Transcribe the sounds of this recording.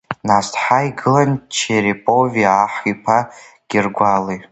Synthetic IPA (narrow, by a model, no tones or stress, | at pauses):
nastħaiɡɨlant͡ʃʰeɾipʼo̞vijaːħipʰa | ɡ̥ʲɪrɡʷali